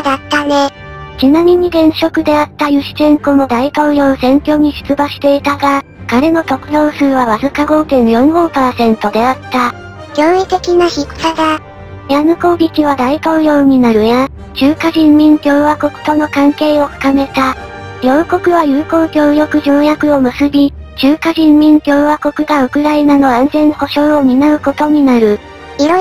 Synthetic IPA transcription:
d̪at̪ːane | t͡ɕinamʲiɲ̟iɡẽ̞ɰ̃ɕo̞kɯ̟d̪e̞at̪ːajɯ̟ɕi̥t̪ẽ̞ŋko̞mo̞d̪ait̪o̞ːjo̞ːsẽ̞ŋkʲo̞ːɲ̟iɕɨ̥t͡sɨbaɕi̥t̪e̞it̪aɡa | kaɾe̞no̞t̪o̞kɯ̟d̪o̞ːsɨːβaβazɨkaɡo̞ːt̪ẽ̞ɰjõ̞ŋɡo̞ːpaːsẽ̞nt̪o̞d̪e̞at̪ːa | ɡʲo̞ːit̪e̞kʲinaçiksaɡ̪a | janɯko̞ːɡʲikʲiβ̞ad̪ait̪o̞ːjo̞ːɲ̟inaɾɯ̟ja | ʑɨːkaʑĩmːʲĩnt̪ʲjo̞ːβako̞kɯ̟̥t̪o̞no̞kãŋke̞ːo̞ɸɯ̟̥kame̞t̪a | jʲo̞ːko̞kɯ̟βajɯːko̞ːkʲjo̞ːjo̞kɯ̟ʑoːjakɯ̟o̞mɯ̟sɨbʲi | t͡ɕɨːkaʑĩmːʲĩnt̪ʲjo̞ːβako̞kɯ̟ɡaɯ̟kɯ̟ɾainano̞ãnzẽ̞ɰho̞ɕo̞ːomʲinaɯ̟ko̞t̪o̞ɲ̟inaɾɯ̟ | io

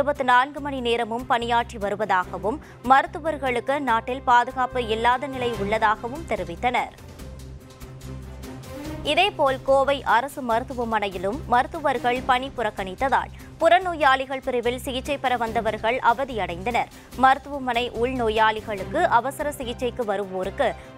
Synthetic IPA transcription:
ɯbɐt̪ːɯnaːnɡɯmɐnineːɾɐmɯmpɐnɪjaːʈriʋɐɾɯʋɐðaːɣɐʋɯmː | ɐɾɯt̪ːɯʋɐɾɣɐɭɯkːɯnaːʈːɪlpaːðɯɣaːpɯɪlːaːðɐnɪlɐɪʊɭːɐðaːɣɐʋɯmt̪ɛɾɯʋɪt̪ːɐnɐɾ | ɪðeːpoːlkoːʋɐɪʔɐɾɐsɯmɐɾɯt̪ːɯʋɯmɐnɐjɪlɯmːɐɾɯt̪ːɯʋɐɾɣɐɭpɐɳipːʊrɐkːɐɳɪt̪ːɐða̰ːɭ | pʊɾɐnoːjaːlɪɣɐɭpɪɾɯʋɪlsɪɣɪt͡ʃːɐɪpːɐɾɐʋɐnd̪ɐʋɐɾɣɐɭʔɐʋɐðijɐɽɐɪnd̪ɐnɐɾ | mɐɾɯt̪ːɯʋɯmɐnɐɪʔuːɭnoːjaːɭɪɣɐɭɯkːɯʔɐʋɐsɐɾɐsɪɣɪt͡ʃːɐɪkːɯʋɐɾɯʋoːɾɯkːɯ

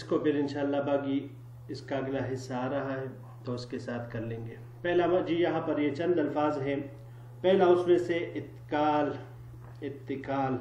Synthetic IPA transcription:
ɪskopʰɪɾɪ̃nʃaːlːabaːɡi | ɪskaɐɡlaɦɪsːaːɾɐɦaɦɛ | t̪oʊskesaːt̪ʰkɐɾlẽːŋɡeː | pɛɦlad͡ʒiːjɐɦãpɐɾjet͡ʃɐ̃nd̪ɐlfaːzɦɛ | pɛɦlaʊsmẽseʔɪt̪kaːl | ɪt̪ːɪkaːl

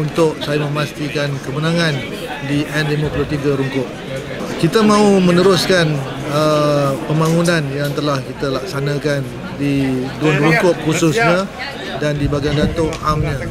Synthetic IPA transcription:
unt̪ʊʔ̚sajamə̃mast̪ikankəbənãŋãn | diʔɛndlimãpulʊt̪iɡaɾuŋkʊʔ̚ | kit̪əmãumənəɾʊskan | əpəmbaŋunãnjaŋt̪əlahkit̪əlak̚sanakan | didunruŋkʊʔ̚husʊsɲa | dandibaɡaŋdat̪ʊŋamɲa

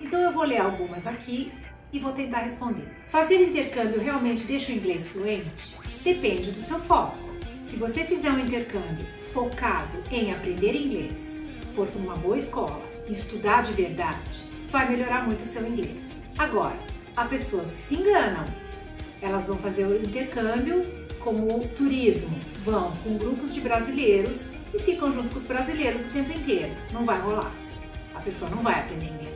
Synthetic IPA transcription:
ẽnt̪ɐ̃w̃ewvoleɾawɡũmɐzaki | ɪvowt̪ẽnt̪aɾɦespõnd̪ḛɾfazeɾʊĩnt̪eɾkɐ̃mbjuewɦeawmẽnt͡ʃɪd̪ejʃũĩŋɡlesfluẽnt͡ʃɪ̥d̪̥epẽnd͡ʒɪd̪ʊsewfɔkʊ̥sɪvosefizɛɾũĩnt̪eɾkɐ̃mbjʊ | fokad̪ʊẽj̃apɾẽnd̪eɾĩŋɡlḛs | poɾkɪũmɐboɐiskɔ̰lɐ̰ | ɪɪst̪ud̪aɾd͡ʒɪveɾd̪ad͡ʒɪ̥ | vajmeloɾaɾmũj̃t̪ʊsewĩŋɡles | aɡɔɾɐ | apesoɐskɪ̥sɪẽŋɡɐ̃nɐ̃w̃ | ɛlɐzvɐ̃w̃fazeɾʊĩnt̪eɾkɐ̃bjʊ | kõmʊt̪uɾizmʊ | vɐ̃w̃kõw̃ɡɾupʊzd͡ʒɪbɾazilejɾʊs | ɪfikɐ̃w̃ʒũt̪̬ʊkõʊzbɾazilejɾʊzʊt̪ẽmpʊẽnt̪eɾʊnɐ̃w̃vajɦola̰ɾ | ɐpesoɐnɐ̃w̃vajapɾẽnd̪eɾĩŋɡe

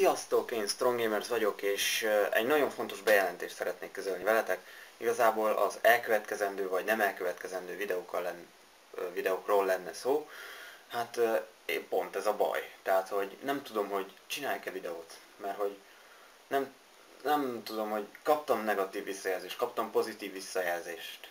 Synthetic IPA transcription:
ijɒst̪oːkeːnst̪roŋɡemɛrsvɒɟo̞keːʃɛ̰ɟnɒɟo̞ɱfo̞nt̪o̞ʒbɛjɛlɛnt̪eːʃt̪sɛɾɛt̪neːkːø̞zølnivɛlɛt̪ɛkiɡɒzaːboːlɒ̰zɛlkøvɛt̪kɛzɛnd̪øːvɒɟnɛmɛlkøvɛt̪kɛzɛnd̪øːvid̪ɛoːkːɒlːɛn | vid̪ɛoːkroːlːɛnːɛsoː | hat̪ː | po̞nt̪ɛzɒbɒ̰jt̪ɛɦat̪ho̞ɟnɛmt̪ud̪o̞mɦo̞ɟ | t͡ʃinaːjkɛvid̪ɛoːt̪ | mɛrɦo̞ɟ | nɛm | nɛmt̪ud̪o̞mho̞ɟkɒp̚t̪ɒmnɛɡɒt̪iːvːisːɒjɛlzeːʃt̪̚kɒpt̪ɒmpo̞zit̪iːvːisːɒjɛlzeːʃt̪

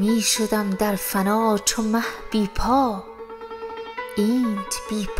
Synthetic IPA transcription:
miːʃod̪æmd̪æɾfænɒːt͡ʃʰomæhb̥iːpʰɒː | ʔiːnt̪b̥iːpʰ

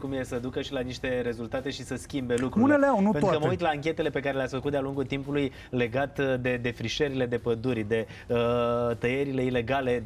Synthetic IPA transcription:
kumje̞səd̪ukəʃilaniʃt̪e̞ɾe̞zult̪at̪e̞ʃisəskʲimbe̞lukɾuulneleawnutpeukəməujt̪laːŋkʲe̞t̪e̞le̞pe̞kaɾe̞leasʲfəkut̪d̪aluŋɡult̪impuluj | le̞ɡat̪d̪e̞d̪e̞fɾiʃeɾile̞d̪e̞pəd̪urʲd̪e̞ | ət̪əje̞ɾile̞ile̞ɡale̞

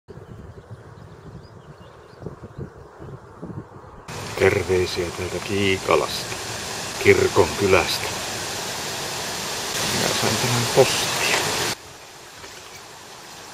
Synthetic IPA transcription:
t̪erʋeisiæt̪ælt̪ækiːkɑ̰lɑ̰st̪ɑ̥kirkoŋkylæst̪æ̥ | mminæ̰sɑint̪æmæmpost̪i̥ɑ

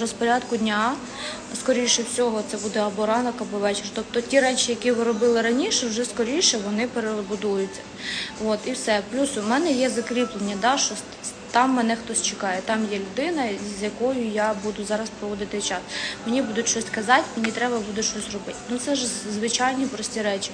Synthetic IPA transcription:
ɔspɔɾʲɑd̪kʊdʲnʲa | skɔɾʲijʃɛwsʲɔɦɔt̪sɛbud̪ɛɐbɔɾɑnɐkɐbɔʋɛt͡ʃert̪ɔp̚t̪ɔtʲiɾɛt͡ʃijɐkʲiʋɪɾɔbɪlˠɪɾɐnʲiʃɛwʒɛskɔɾʲijʃɛʋɔnɪpeɾeɾɔbʊd̪ujʊt͡sʲːɐ̥ | ʋot̪iwsɛplʲusʊmɛnɛjɛzɐkɾʲiplˠenʲːɐd̪ɑʃt͡ʃɔ | t̪ɑmːɛn̪ɛxt̪ɔsʲt͡ʃekɑjɛt̪ɑmjɛlʲʊd̪ɪnɐzʲjɐkɔjʊjɑbud̪ʊzɑɾɐspɾɔʋɔd̪ɪt̪ɪt͡ʃɑsmenʲibud̪ʊtʲʃɔsʲkɐzɑtʲinʲit̪ɾɛbɐbud̪ʊtʲʃt͡ʃɔsʲrɔbɪtʲnut̪sɛʒzʋɪt͡ʃɑjnʲipɾɔsʲtʲiɾɛt͡ʃi̥

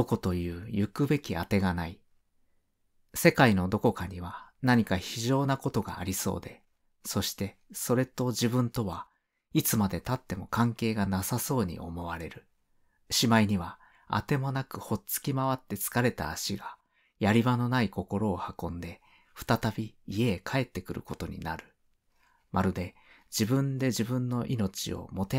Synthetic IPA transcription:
o̞ko̞t̪o̞jɯ̟ːjɯkɯ̟be̞kʲiat̪e̞ɡanai | se̞kaino̞d̪o̞ko̞kaɲ̟iβ̞anaɲ̟ikaçiʑo̞ːnako̞t̪o̞ɡa̰ːɾʲiso̞̰ːd̪e̞ | so̞ɕi̥t̪e̞so̞ɾe̞t̪o̞ʑibɯ̟̃nt̪o̞βa | it͡sɨmad̪e̞t̪at̪ːe̞mo̞kãŋke̞ːɡanasaso̞ːɲ̟ḭʔo̞̰mo̞βaɾe̞ɾɯ̟ | ɕimaiɲ̟iβa | a̰t̪e̞mo̞nakɯ̟ho̞t͡sɨ̥kʲimaβat̪ːe̞t͡sɨ̥kaɾe̞t̪a̰ːɕiɡa | jaɾʲiβano̞naiko̞ko̞ɾo̞ːhakõ̞nd̪e̞ | ɸɯ̟̥t̪at̪abʲiːe̞ːkʰae̞t̪ːe̞kɯ̟ɾɯ̟̰ko̞t̪o̞ɲ̟ḭna̰ɾɯ̟ | mʔaɾɯ̟d̪e̞ | d͡ʑibɯ̟̃nd̪e̞ʑibɯ̟̃nːo̞ʔino̞t͡ɕḭo̰mo̞t̪e

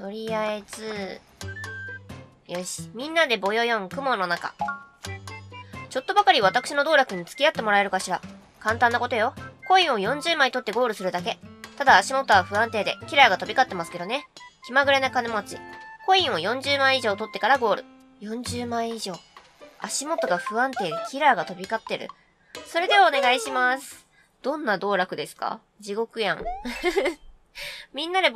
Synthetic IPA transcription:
t̪o̞ɾʲiaez̥ɨ | joɕi̥mʲĩnːad̪e̞bo̞jo̞jõ̞ŋkɯ̟mo̞nːo̞naka̰ | t͡ɕo̞t̪ːo̞bakaɾʲiβ̞at̪akɯ̟̥ɕino̞d̪o̞ːɾakɯ̟ɲ̟it͡sɨ̥kʲiat̪ːe̞mo̞ɾae̞ɾɯ̟kaɕiɾa | kãnt̪ãnːako̞t̪o̞jo̞ko̞ĩɰ̃o̞jõ̞ɲ̟d͡ʑɨːmait̪o̞t̪ːe̞ɡo̞ːɾɯ̟sɨɾɯ̟d̪ake̞t̪ad̪aːɕimo̞t̪ːoaɸɯ̟ãnt̪e̞ːd̪e̞kʲiɾaːɡat̪o̞bʲikat̪ːe̞masɨ̥ke̞d̪o̞ne̞kʲimaɡɯ̟ɾanakanemt͡ɕḭko̞ĩɰ̃o̞jõ̞ɲ̟d͡ʑɨːmãɰ̃iʑo̞ːt̪o̞t̪ːe̞kaɾaɡo̞ːɾɯ̟ | jõ̞ɲ̟d͡ʑɨːmãɰ̃iʑo̞ː | aɕimo̞t̪o̞ɡaɸɯ̟ãnt̪e̞ːd̪e̞kʲiɾaːɡat̪o̞bʲikat̪ːe̞ɾɯ̟̰ | so̞ɾe̞d̪e̞βaone̞ɡaiɕimasɨ̥ | d̪̥õ̞nːad̪o̞ːɾakɯ̟d̪e̞sɨ̥ka̰ | d͡ʑiɡo̞kɯ̟jã̰ŋ | mʲĩnːaɾe

